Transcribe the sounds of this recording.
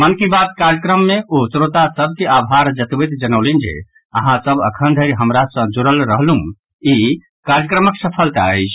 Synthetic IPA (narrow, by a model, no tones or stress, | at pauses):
mənkibat̪̚kaɾjəkɾəmːeot̪ɾot̪asəb̚ʱkeabʱɦaɾd͡ʒət̪bət̪d͡ʒənəʊlind͡ʒḛ | əɦãsəbə̰kʰənd̪ʱəɪɾɦəmɾasə̃d͡ʒuɾəlɾəɦlũ | i | kaɾjəkɾəməksəpʰəlt̪a̰əɪt͡ʃʰ